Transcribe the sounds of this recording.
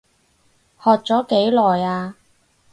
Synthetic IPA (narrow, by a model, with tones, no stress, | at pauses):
hɔː˨k̚t͡sɔː˨˥ke˨˥jlɔː˨˩jaː˧